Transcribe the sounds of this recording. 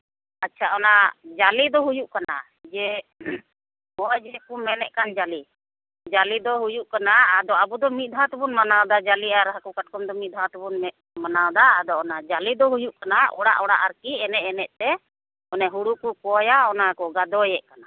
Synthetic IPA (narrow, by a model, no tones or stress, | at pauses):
atːt͡ʃʰaɔnad͡ʒalid̪ɔɦujuʔkana̰ | d͡ʒɛ | ɔad͡ʒɛkumɛlɛʔkand͡ʒali | d͡ʒalid̪ɔɦujuʔkanaːd̪ɔabud̪ɔmit̪̚d̪ʱat̪ubunmanawd̪ad͡ʒaliaɾɦakukaʈ̚kɔmd̪ɔmit̪̚d̪ʱat̪ubunmɛ | manawd̪aːd̪ɔɔnad͡ʒalid̪ɔɦujuʔkanaɔɽa̰ʔɔɽa̰ʔaɾkiɛnɛʔɛnɛʔt̪ɛ | ɔnaɦuɽukukɔjaɔnakɔɡad̪ɔjɛʔkana